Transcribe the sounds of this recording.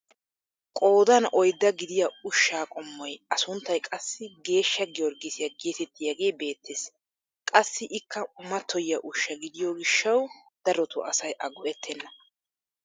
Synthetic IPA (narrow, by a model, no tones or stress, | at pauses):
kʼo̞ːd̪ɐnʔɔjd̪ːɐɡɪd̪ɪjɐʊʃːaːkʼɔmːɔjɐsʊnt̪ːɐjkʼɐsːɪɡe̞ːʃːɐɡɪwɔɾɡɪsɪjɐɡeːt̪ɛt̪ːɪjɐɡe̞ːbe̞ːt̪ːeːs | kʼɐsːɪʔɪkʰːɐmɐt̪ːɔjɪjɐʔʊʃːɐɡɪd̪ɪjɔɡɪʃːɐw | d̪̥ɐɾɔt̪ʊ̰ɐsɐjʔɐɡɔʔɛt̪ʰːɛnːɐ